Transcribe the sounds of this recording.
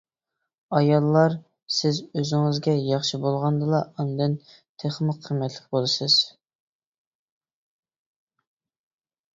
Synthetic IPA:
ɑjɑlˠːɑɾ | sɪzøzɪŋɪzɡʲɛjɑχʃibolˠʁɑnd̪ɨlˠɑʔɑnd̪ɨn | t̪ʰeχmɨqʰːəmɛt̪ʰlɪk̚ʲbolˠɨsɨz̥

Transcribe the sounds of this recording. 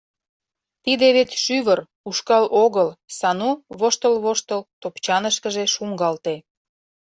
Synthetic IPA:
t̪id̪eβet͡sʃyβər | uʃkɑlʔoɣəlsɑnuβoʃt̪əlβoʃt̪əlt̪opt͡ɕɑnəʃkəʒeʃuŋɡɑlt̪e

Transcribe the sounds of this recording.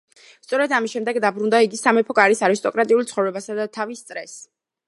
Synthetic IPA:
st̪sʼɔɾɛd̪amisʃɛmd̪ɛɡd̪abɾund̪aiɡisamɛpʰɔkʼaɾisaɾist̪ʼɔkʼɾat̪ʼiulˠt̪sχɔvɾɛbasad̪at̪ʰavist̪sʼɾɛs

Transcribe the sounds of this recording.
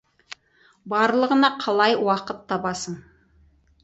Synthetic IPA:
bɑɾlˠəʁənɑqʰɑlˠɑjwɑqət̪ʰːɑbɑsəɴ

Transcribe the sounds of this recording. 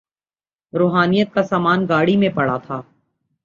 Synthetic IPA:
ɾoːɦaːnijət̪̚kasaːmaːnɡaːɽimẽpɐɽat̪ʰaː

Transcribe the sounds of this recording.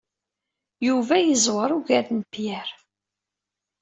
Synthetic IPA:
juvæjəzˤwəɾˤuʝæɾnpjæɾ

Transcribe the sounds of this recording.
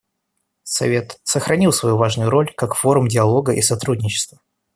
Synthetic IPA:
sɐ̰vʲe̞t̪səxɾɐnʲilˠsvɐjuvaʐnʊjʊɾo̞lʲkakfo̞ɾʊmdʲɪɐlˠo̞ɡəʔisɐt̪ɾudʲnʲɪt͡ɕɪ̥st̪və

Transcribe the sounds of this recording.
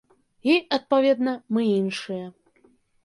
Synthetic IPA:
iɐt̪̚pavʲɛd̪nɐmɨinʂɨjɛ

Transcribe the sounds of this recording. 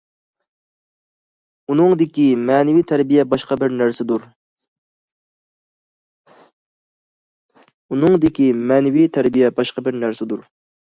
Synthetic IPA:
unɨŋd̪ɪkʲimɛːnɪwit̪ʰæɾbijɛbɑʃqɑbɪɾnæɾsɪd̪uɾ | unɨŋd̪ɪkʲimɛːnɪwit̪ʰæɾbijɛbɑʃqɑbɪɾnæɾsɪd̪uɾ

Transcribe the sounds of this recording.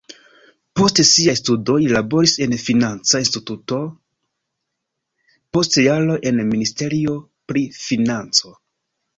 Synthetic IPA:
po̞stesiajstudo̞jlabo̞ɾise̞nfinant͡sainstituto̞ | po̞stjalo̞ʔe̞nministe̞ɾio̞ | pɾifinant͡so̞

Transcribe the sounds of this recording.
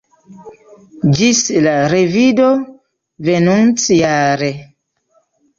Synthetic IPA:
d͡ʒislaɾevido | venunt͡sjaɾe

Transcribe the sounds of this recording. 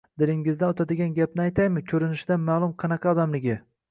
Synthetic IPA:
d̪ɪlɪŋɪzd̪anot̪ʰad̪ɪɡʲanɡʲap̚nɪajt̪ʰajmɪkʲʰɵɾɪnɪʃɪd̪anmaːlˠʊmqʰɑnɑqʰɑɒd̪amlɪɡʲɪ

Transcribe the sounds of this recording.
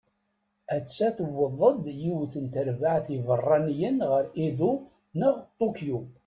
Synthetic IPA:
æt͡sːæθəwːəðˤəd̪jiwθənt̪əɾvaʕθivərˤːɑnjənʁəɾiðu | nəʁt̪ˤːukju

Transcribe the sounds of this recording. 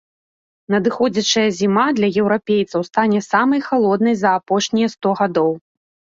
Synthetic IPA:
nɐd̪ɨxɔd͡zʲɐt͡ʂɐjɐzʲimad̪lʲɐjɛwɾapʲejt̪sɐwst̪anʲɛsamɐjxalˠɔd̪nɐjzɐːpɔʂnʲijɛst̪ɔɣad̪ɔw

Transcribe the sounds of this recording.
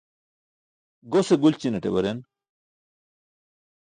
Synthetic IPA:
ɡoseɡult͡ɕinɐʈḛbɐɾen

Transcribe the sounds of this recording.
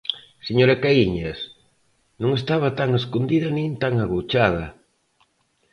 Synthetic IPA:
seɲoɾakaiɲɐs | nõŋest̪aβat̪aŋeskond̪iðɐnĩnt̪aŋaɣot͡ʃað̞ɐ

